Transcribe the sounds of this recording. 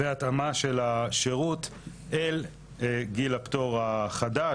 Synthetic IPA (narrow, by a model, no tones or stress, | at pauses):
veat̪amaʃe̞laʃeʁut̪ | el | ɡilapto̞ʁaχada